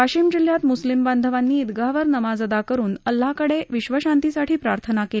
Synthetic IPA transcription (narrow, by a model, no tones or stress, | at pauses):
aɕiːmd͡ʑil̤jat̪muslimband̪ʱəʋanːiːd̪ɡaʋəɾnəmad͡zəd̪akəɾuːnəlːakəɽeʋiɕʋəɕant̪isaʈʰiːpɾaɾt̪ʰənakel